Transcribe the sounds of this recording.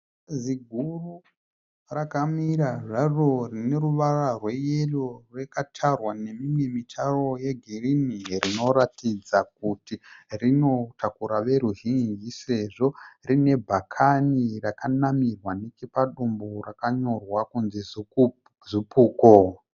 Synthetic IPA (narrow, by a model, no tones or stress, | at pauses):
ziɡʱuru | rakamiɾaʐaro̞rine̞ɾuʋararwe̞jelorwekatʰarwane̞mimwe̞mitʰaro̞jeɡʱirinirino̞ɾatid͡zak̚utirino̞tʰakuɾaʋe̞ɾuɦind͡ʒise̞ʐo̞rine̞bʱakʰanirakanamirwanekepaɗumborakaɲo̞rwakunziz | zipuːko